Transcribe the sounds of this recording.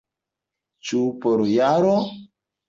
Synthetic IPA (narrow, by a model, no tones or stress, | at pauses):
t͡ʃupɔɾojaɾo